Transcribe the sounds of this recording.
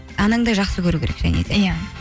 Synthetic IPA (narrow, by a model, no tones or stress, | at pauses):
ɑnəɴd̪ɑjʒɑqsəkʲʰɵɾukʲeɾekʒ̥æ̰ne̞̰d̪e̞ja